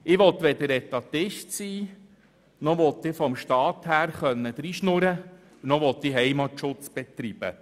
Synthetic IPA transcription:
ɪʋɔt̪ʋɛd̪əɾɛt̪ɑt̪ɪʃtsiː | nɔʋɔt̪ːɪfɔmʃtɑːt̪hæːɾχœnːəd̥̪ɾiʃnʊɾə | nɔʋɔt̪ːiɦɛjmɑtʃʊt͡sb̥ɛt̪ɾib̥ə̰

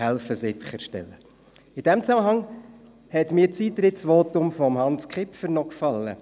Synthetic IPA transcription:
ælfəzɪχəɾʃtɛ̰lːə | ɪd̥ɛmt͡sæməɦɑŋ | hɛt̪miːɾt͡siːt̪ɾɪtsʋoːtʊmfɔmhɑnskχɪpfəɾnɔkfɑlːə̰

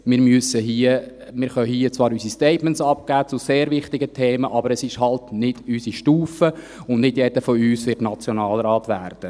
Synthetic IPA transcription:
mɪːɾmyəsəɦiə | mɪːɾχœɦiːət͡sʋɑːɾysistɛɪtmɛnsɑp̚ɡ̥æːt͡sʊseːɾʋɪχtɪɡətʰeːməʔɑbəɾɛsɪʃhɑltnɪd̥ysiʃtuːfə | ʊnnɪdjɛdəfɔyːsʋɪtnɑt͡sjonɑːlɾɑːtʋæːrd̥ə

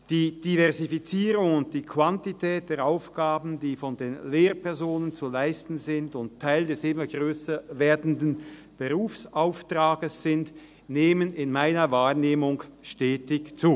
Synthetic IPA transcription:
d̥iːd̥ivɛɐzifit͡siːʁʊŋʊnt̚d̥iːkʰv̥wantitʰɛːt̚d̥eːʁʔaʊfɡ̥aːbn̩diːfɔndeːnleːʁpʰɛɐzoːnənt͡sulaɪstn̩zɪndʊnttʰːaɪldɛsɪmɐɡʁøːsɐveːɐdn̩dn | b̥əʁuːfsʔaʊftʁaːɡəsz̥ɪnd | neːmənɪnmaɪnɐvaːʁneːmʊŋʃtɛːtɪçt͡suː

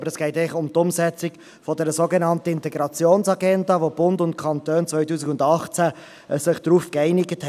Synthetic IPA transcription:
bəɾɛsɡ̥ɛɪtɛɪχʊmt̪ʊmsɛt͡sɪk | fɔdɛːɾəsoɡenɑntəɪntɛɡɾɑt͡sjoːnsɑɡɛndɑʋob̥ʊndʊntkʰɑnt̪øːnt͡svœʏtuːsikʊndɑχt͡sæ | əsɪχd̥ɾuːfkɛɪnɪɡəthɛ

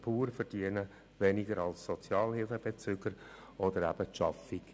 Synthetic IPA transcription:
pʰuːɾfərd̥iənə | vɛnɪɡəɾɑlsːɔt͡sjɑːlɦhɪlfəb̥et͡sʏːɡəɾ | ɔd̪əɾæ̰b̥əʃɑfɪk

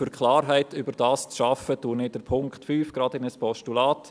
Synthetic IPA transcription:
fʏɾkʰχlɑːrɦæɪtʰʏbəɾd̥ɑːst͡sʃɑfətuːnɪd̥əɾpʰʊŋkχtfyːfɡ̥ɾɑːdɪnəspɔʃtulɑːt

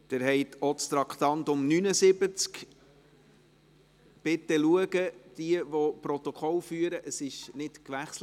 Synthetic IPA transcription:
d̪̥ɪɾhɛɪtʰɔtst̪ɾɑkt̪ɑnt̪ʊmnynəsɪbət͡sk | b̥ɪt̪ːəluəɡəd̪̥iəvɔpɾɔt̪ɔkʰɔlfyːəɾəʔəsɪʃnɪtkʋæχsl

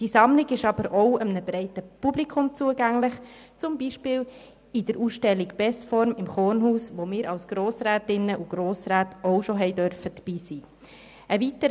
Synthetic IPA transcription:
d̥isɑmlɪɡɪʃɑb̥əɾɔʊəmnəbɾɛɪtəpublikʰʊmt͡suəɡæŋlɪχ | t͡sʊmbiːʃpɪːl | id̥əɾuːsʃtɛlːikb̥ɛsfɔɾmɪmχoːnhuːsʋomɪːɾɑwsɡ̥ɾoːsɾæːtɪnːəʔuɡ̥ɾoːsɾæːtɔʊʃoɦɛɪdœɾfəd̥əb̥iːsiː | ʔəʋitə

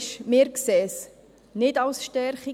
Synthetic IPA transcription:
ʃmɪːɾkseːs | nɪtɑʊsʃtɛɾχi

